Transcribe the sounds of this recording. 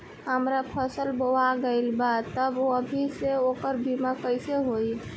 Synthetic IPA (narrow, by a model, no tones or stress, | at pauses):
ɦəmɾapʰəsəlbowaɡeɪlbad̪t̪əboəbʱiseokəɾbʱimakəɪseɦoj